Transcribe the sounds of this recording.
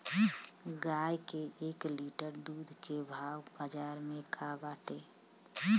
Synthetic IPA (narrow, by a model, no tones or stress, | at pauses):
ɡajkeekliʈəɾd̪uːd̪ʱkebʱawbad͡ʒaɾmẽkʰabaːʈe